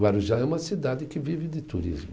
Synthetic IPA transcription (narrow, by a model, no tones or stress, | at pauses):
baɾuʒaɛũmɐsid̪ad̪ɪkɪvivɪd̪ɪt̪uɾḭzm